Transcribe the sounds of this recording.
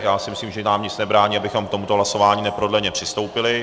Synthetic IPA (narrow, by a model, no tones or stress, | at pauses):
jaːsɪmɪsliːmʒɛnaːmɲɪt͡snɛbɾaːɲiːabɪxo̞mkt̪o̞mut̪o̞ɦlaso̞vaːɲiːnɛpɾodlɛɲɛpr̥ɪst̪o̞wpɪlɪ